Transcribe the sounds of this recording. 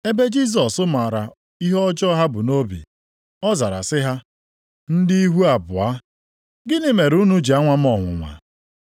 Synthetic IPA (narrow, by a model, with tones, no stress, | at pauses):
e˦be˦d͡ʒi˦s̬ɔ˨sʊ˦ma˨ɾa˨ | i˦ɦɔ˦d͡ʒɔ˦ɦa˦bʊ˨no˦bḭ˨ | ɔ˦za˨ɾa̰˨sɪ˦ɦa˦ | n̩˦di˦i˦ɦu˦a˨bʊ˨a˦ | ɡɪ˦nɪ˦me˨ɾu˦nu˦d͡ʒi˨a˦ŋʷa˦m̩˦ɔ˨ŋʷʊ̰˨ŋʷa̰˨